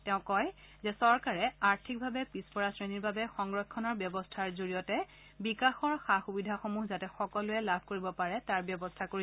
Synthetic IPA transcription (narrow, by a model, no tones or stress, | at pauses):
tɛʊ̃kɔj | zɛsɔɹkaɹɛaɹtʰik̚bʱabɛpispɔɹasɹeniɹbabɛxɔŋɡɹɔkʰːɔnɔɹbjɔbɔstʰaɹzoɹijɔtɛ | bikaxɔɹxaxubidʱaxomuɦzatɛxɔkɔlʊɛlabʱkoɹibɔpaɹɛtaɹbjɔbɔstʰakoɹi